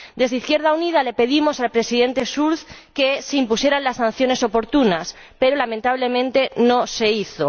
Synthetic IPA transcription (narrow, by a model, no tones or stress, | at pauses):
d̪e̞zðiθkje̞ɾð̞aunið̞ale̞pe̞ðimo̞salpɾe̞siðẽ̞nt̪e̞suɾθke̞seimpusje̞ɾanlasːãn̟θjo̞ne̞so̞po̞ɾt̪unas | pe̞ɾolamẽnt̪aβle̞mẽnt̪e̞no̞se̞iθo